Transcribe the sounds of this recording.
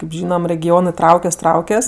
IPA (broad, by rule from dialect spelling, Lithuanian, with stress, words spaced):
kʲeːp ˈʒʲiːnɐm rʲɛɡʲɪˈoːnɜ ˈtrɐʊkʲɛs ˈtrɐʊkʲɛs